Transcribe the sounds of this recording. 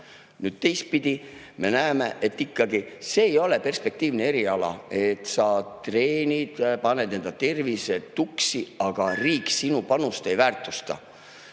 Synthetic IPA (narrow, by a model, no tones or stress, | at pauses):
nyːd̪̥̚t̪e̞jst̪̚pid̪̥ʲi | me̞næeme̞ʔe̞t̪ːikːɑɡise̞ːjo̞le̞pe̞rspe̞k̚t̪iːvnee̞ɾiɑlɑ̰e̞t̪ːˑsɑt̪re̞ːnʲid̪̥pɑnːe̞d̪̥nend̪ɑt̪e̞rviset̪uksiɑɡ̥ɑriːksinupɑnust̪e̞jvæːrt̪ˑust̪ɑ̰